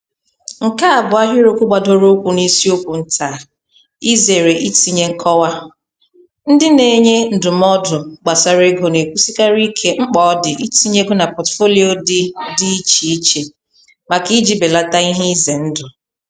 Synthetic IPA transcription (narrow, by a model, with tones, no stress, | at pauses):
ŋ̩˨ka˦a˨bʊ˨˦a˦ɦʊ˦ɾo˦kʷʊ˦ɡ͡ba˨do˦ɾo˦kʷu˨ni˦si˦o˦kʷu˨n̩˦tʰa˨ | i˦ze˨ɾe˨ʔi˦ti˦ɲe˦ŋ̩˦kʰɔ˦wa˦ | n̩˦dɪ˦ne˨ɲe˦n̩˨dʊ˨m˦ɔ˦dʊ˨ɡ͡ba˨sa˨ɾe˦ɡo˨ne˨kʷu˦si˦ka˦ɾi˦kʰe˦ŋ͡m̩˦k͡pɔ˨˦ɔ˦dɪ˨ʔi˦ti˦ɲe˦ɡʊ˦na˨pɔ˨tfo˦li˦o˦dɪ˦di˦i˦t͡ʃi˨i˦t͡ʃe˨ | ma˨ki˦d͡ʒi˦be˨la˦ta˦i˦ɦɪ˦ze˨n̩˦dʊ˨